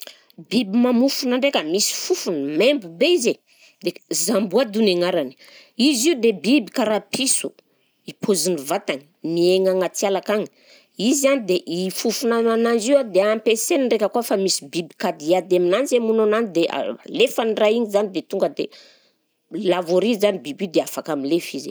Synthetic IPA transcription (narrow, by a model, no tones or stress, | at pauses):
bibimamufunaɳɖ͡ʐekʲəmisi̥fufunəmembubeize | d̪ezambuad̪uneŋaɾani̥ | iziud̪ebibikaɾapisu | ipʰuzinivat̪aŋi̥mieŋaŋat͡sialakaŋi̥ | izizanid̪eʔifufunananand͡ʒiwad̪eampesenirekəkuafamisi̥bibikad̪iad̪aminanzemunonanid̪eʔa̰lefaniraiɲizanid̪et̪uŋɡəd̪e | lavoɾizzanibibid̪eafakamilefizḛ